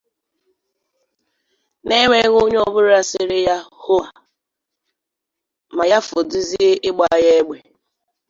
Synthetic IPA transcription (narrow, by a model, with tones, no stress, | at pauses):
ne˦ŋʷe˦ɣo˦ɲ˦ɔ˦bʊ˦ɾa˨sɪ˦ɾɪ˦ja˦ho˦a˨ | ma˨ja˦fʊ˨di˦zi˦e˦ʔɪ˦ɡ͡ba˨˦˨je˦e˦ɡ͡be˨